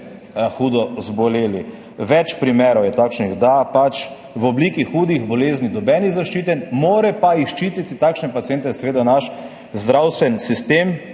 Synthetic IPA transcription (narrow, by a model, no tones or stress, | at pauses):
xuːd̪ɔzbɔleːli | ʋɛt͡ʃpɾimɛːɾɔwjɛt̪aːkʃniɣd̪apat͡ʃ | wɔbliːkixuːd̪iɣbɔleːznid̪ɔbɛːniɣzaʃt͡ʃiːt̪ɛnmoːɾɛpaixʃt͡ʃit̪it̪it̪akʃnɛpat̪ieːnt̪ɛɛsɛʋeːd̪anaʃ | zd̪ɾawst̪ʋɛnsist̪eːm